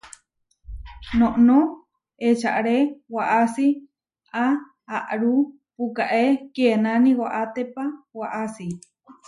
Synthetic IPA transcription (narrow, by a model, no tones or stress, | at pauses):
noʔno | et͡ʃaʔɾewaʔasi | a | aʔɾu | pukaʔekenaniwaʔat̪epawaʔasi